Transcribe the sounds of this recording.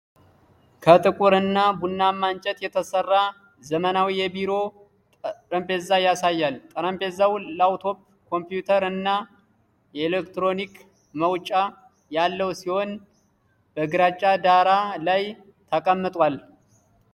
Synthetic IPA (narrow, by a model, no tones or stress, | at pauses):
kʰət̪ʼɨkʼuɾɨnːabunːamːant͡ʃʼɛt̪jɛt̪ʰəsərːa | zəmənawijɛbiɾo̞ | ɾəmpʰezajasajːalt̪ʼəɾəmpʰezawlawt̪ʰo̞p | kʰo̞mpjut̪ʰəɾɨnːa | jɛelekt̪ɾo̞nik | məwt͡ʃʼa | jalːəwsiho̞n | bəɨɡɾat͡ʃʼːad̪aɾalaj | t̪ʰəkʼəmːɨt̪ʼwal